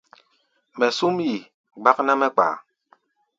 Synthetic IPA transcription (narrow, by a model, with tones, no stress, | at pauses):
mɛ˨su˦mji˨ | ɡ͡ba˦k̚na˦mɛ˦k͡pa̰ː˨